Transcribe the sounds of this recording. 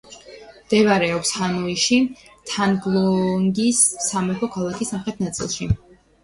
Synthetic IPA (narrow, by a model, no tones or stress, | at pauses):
md̪̥ɛvaɾɛɔpshanɔiʃi | t̪ʰanɡlˠɔŋɡisːamɛpʰɔkʰalˠakʰisamχɾɛt̪̚ʰnat̪sʼḭlˠʃi